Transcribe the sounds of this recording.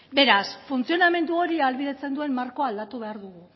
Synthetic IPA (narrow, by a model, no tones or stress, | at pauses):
be̞ɾasfunt͡sio̞name̞nd̪uo̞ɾialβiðe̞t͡se̞nd̪ue̞mmaɾko̞ald̪at̪uβe̞aɾðuɣ̞u